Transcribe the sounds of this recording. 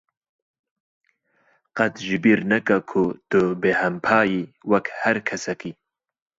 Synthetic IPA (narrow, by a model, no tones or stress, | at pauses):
qɐt̪ʒɪbiɾnɐkakʰut̪ubehɐmpʰaːjiwɐkʰhɐɾkʰɐsɐki